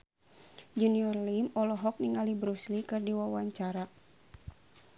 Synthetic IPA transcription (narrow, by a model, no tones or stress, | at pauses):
d͡ʒuniɔrlimɔlɔɦɔk̚niŋalibɾuslikɨrdiwawaɲt͡ʃaɾa